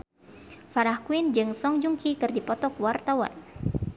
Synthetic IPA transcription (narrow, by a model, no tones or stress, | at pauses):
faɾahkuind͡ʒɨŋsɔŋd͡ʒuŋkikɨrdipɔt̪ɔkwart̪awa̰n